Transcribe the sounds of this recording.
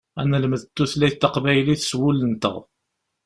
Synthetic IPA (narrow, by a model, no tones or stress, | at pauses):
ænəlməðt̪ːuθlæjt̪ːɑqvæjliθə̥swʊlənt̪ə̰ʁ